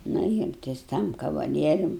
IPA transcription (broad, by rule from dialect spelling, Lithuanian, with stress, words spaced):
ˈnʊ ɪr tɐs ˈtɐm kɐʋɐˈlʲiɛrʲʊm